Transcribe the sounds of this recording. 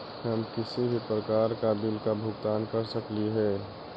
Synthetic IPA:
həmkɪsibʱipɾəkaːɾkabilkabʱʊɡt̪aːnkəɾsəkliɦɛː

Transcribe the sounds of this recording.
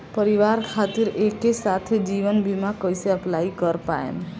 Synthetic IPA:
pəɾiʋaɾkʰat̪iɾekːesat̪ʰed͡ʒiʋənbimakəjseəplaikəɾpa̰ḛm

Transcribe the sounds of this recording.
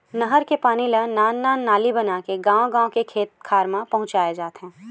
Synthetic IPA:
nəɦəɾkepaːnilɐnaːnːaːnːaːlibɐnaːkeɡãːõɡãːõkekʰeːt̪̚kʰaːɾmãpɐ̃ɦʊ̃t͡ʃaːjed͡ʒaːt̪eɦɛ̃ː

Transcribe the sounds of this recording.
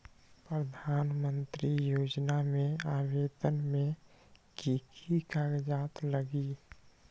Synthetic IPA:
pɾəd̪ʱaːnmə̃nt̪ɾijoːd͡ʒnamẽaːweːd̪ənmẽɡikʰikaɡd͡ʒaːt̪ləɡi

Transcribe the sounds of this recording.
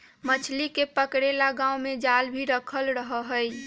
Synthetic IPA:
mət͡ʃʰlikepəkɽelaɡãumed͡ʒalbʱiɾəkʰəlɾəɦəɦəj

